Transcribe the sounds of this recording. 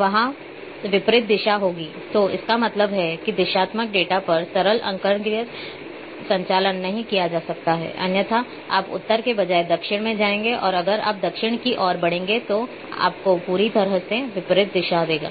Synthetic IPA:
ʋɐɦã | ʋɪpɾɪt̪̚d̪ɪʃaɦoːɡiːt̪oɪ̰skamɐt̪ləbɦɛkid̪ɪʃaːt̪mək̚ɖeːʈapɐɾsɐɾəlʔɐ̰̃ŋkəɾɳɡɾɪjət | sɐ̃ɲt͡ʃaːlənːɐɦĩkijad͡ʒaːsɐk̚t̪aɦɛ̰ːʔɐ̰njət̪ʰa | aːpʊ̰t̪ːəɾkebɐd͡ʒaːed̪ɐkʃɪɽ̃mẽd͡ʒaːẽːŋɡeʔɔːɾɐɡəɾa̰ːp̚d̪ɐkʃɪɽ̃kiʔɔːɾbɐɽ̤̃ẽːŋɡet̪o | a̰ːpkopuːɾid̪ʱɐɾɦəseʋɪpɾɪt̪̚d̪ɪʃad̪eːɡa̰ː

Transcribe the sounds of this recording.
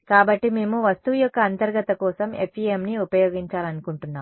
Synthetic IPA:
kaːbɐʈːime̞ːmuʋɐst̪ujɔkːɐːnt̪ɐɾɡɐt̪ɐkɔːsɐme̞̰pʰiːemniupɐjoːɡiɲt͡ʃaːlɐnukuɳʈunːaːm

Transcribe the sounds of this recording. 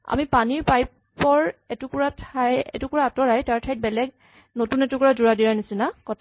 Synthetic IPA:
a̰mipaniɹpaj | pɔɹɛtukuɹatʰajɛ̰tukuɹaːtɔɹajtaɹtʰajt̚bɛlɛɡ | notunɛtʊkɔɹazuɹadiɹanisinakɔtʰ

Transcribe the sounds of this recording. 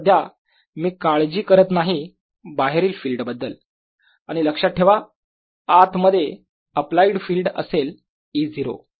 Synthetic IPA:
d̪ʱja | miːkaɭd͡ʑiːkəɾət̪naɦi | baɦeɾiːlfiːlɖbəd̪ːəl | aɽ̃iləkʂat̪̚ʈʰeʋa | at̪məd̪ʱːje | əplaiɽfiːlɖə̰sel | iːd͡ziɾo̰

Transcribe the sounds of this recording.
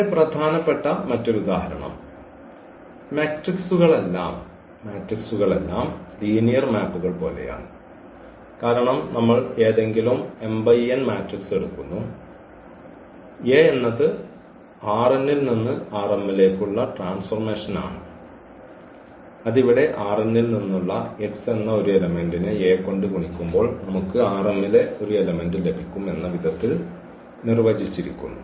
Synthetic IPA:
prɐd̪ʱaːnɐpːe̞ʈːɐmɐtːo̞ɾuud̪aːhɐɾɐ̰ɳɐ̰m | maːʈriksuɣɐɭe̞lːa̰ːm | maːʈriksuɣɐɭe̞lːaːmsiːnijɐrmaːpːuɣɐɭpo̞ːle̞̰ja̰ːɳɨ | kaːɾɐɳɐmnɐmːɐɭe̞ːðe̞ŋɡilume̞mbɐjenmaːʈrikse̞ɽukːunːu | eːenːɐðɨ | aːrenːilninːɨaːremːile̞ːkːuɭːɐʈraːnsfɐrme̞ːʂɐna̰ːɳɨ | ɐðiʋiɽe̞ʔaːrenːilninːuɭːɐekse̞nːɐo̞ɾuelɐme̞nɖinɨeːkːoɳɖɨkuɳikʲːumbo̞ːɭnɐmukːɨaːremːile̞o̞ɾue̞lɐme̞nɖɨle̞bʱikʲːume̞nːɐʋid̪ʱɐt̪ːil | nirʋɐd͡ʑit͡ɕːiɾḭkʲːṵnːu

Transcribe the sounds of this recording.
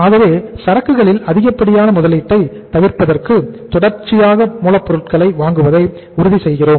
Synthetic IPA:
aːɣɐʋeːsɐɾɐkːɯɣɐɭɪlɐðɪɣɐpːɐɽɪjaːnɐmʊðɐlɪʈːɐɪ | t̪ɐʋɪrpɐðɐrkɯt̪ɔɽɐɾt͡ʃːɪjaːɣɐmuːlɐpːɔɾɯʈ̚kɐɭɐɪʋaːŋɡɯʋɐðɐɪ | ʊɾʊðisɛjɣɪroːm

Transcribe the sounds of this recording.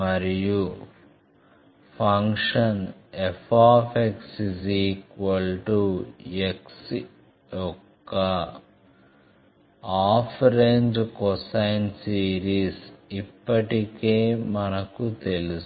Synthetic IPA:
mɐɾiju | pʰɐŋkʂɐnepʰaːpʰeksisiːkʋɐlʈueks | jɔkːɐ | aːpʰɾeːɲd͡ʒkɔsɐjnsiːɾiːsipːɐʈikeːmɐnɐkut̪elus

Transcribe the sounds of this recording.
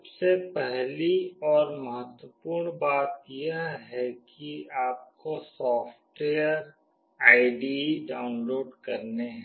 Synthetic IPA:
ɐbsepɛɦliɔːɾmɐɦət̪wəpuːɾɳbaːt̪jeɦɦɛkiaːp̚kosɔːfʈweːəɾɾ | aːɪɖiɖaːʊnloːɖkɐɾneɦɛ̃

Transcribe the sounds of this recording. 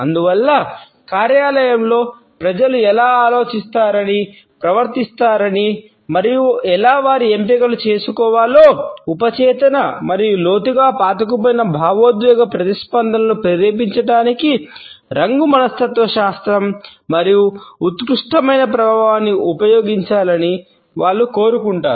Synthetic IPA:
ɐ̰nd̪uʋɐlːɐ | kaːɾjaːlɐjɐmlo̞ː | pɾɐd͡ʒɐluɛlaːaːlo̞ːt͡ʃist̪aːɾɐni | pɾɐʋɐɾt̪ist̪aːɾɐni | mɐɾijuɛlaːʋaːɾiempikɐlut͡ʃe̞ːsukɔːʋaːlo̞ːupɐt͡ʃɛːt̪ɐnɐmɐɾijulo̞ːt̪iɡaːpaːt̪ɐk̬upoːjinɐbʱaːʋoːd̪ʋɛːɡɐpɾɐt̪ispɐnd̪ʱɐnɐlupeɾeːpiɲt͡ʃɐʈaːniki | ɾɐŋɡumɐnɐst̪ɐt̪ʋɐʃaːst̪ɾɐmːɐɾijuut̪kɾuʂʈɐmɐjnɐpɾɐbʱaːʋaːnːiʔupɐjo̞ːɡiɲt͡ʃaːlɐni | ʋaːɭːuko̞ːɾukuɳʈaːɾu

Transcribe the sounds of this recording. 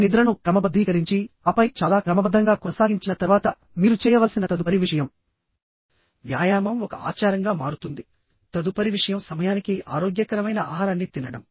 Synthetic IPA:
nid̪ɾɐnukɾɐmɐbɐd̪ʱːiːkɐɾiɲt͡ʃiɐpɐjt͡ʃaːlaːkɾɐmɐbɐd̪ʱːɐŋɡaːkɔnɐsaːɡiɲt͡ʃinɐt̪ɐɾʋaːt̪ɐ | miːɾut͡ʃɛːjɐʋɐlsinɐt̪ɐd̪upɐɾiʋiʂɐjɐm | ʋja̰ːjaːmɐmɔkɐa̰ːt͡ʃaːɾɐŋɡaːmaːɾut̪und̪i | t̪ɐd̪upɐɾiʋiʂɐjɐmsɐmɐjaːnikia̰ːɾoːɡjɐkɐɾɐmɐjnɐaːɦaːɾanːit̪inːɐɽɐ̰m

